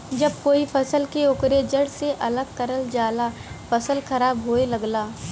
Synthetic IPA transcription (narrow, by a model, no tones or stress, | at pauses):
d͡ʒɐb̚koːifʰɐsəlkeʊkɾed͡ʒəɽseʔɐləɡ̚kɐɾəld͡ʒaːlafɐsəlxɐɾaːbɦoːelɐɡlaː